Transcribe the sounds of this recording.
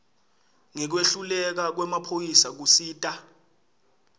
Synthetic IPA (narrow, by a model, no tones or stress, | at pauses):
ŋɛk̬weɬulɛk̬ak̬wɛmapʰojisak̬usiːtʼa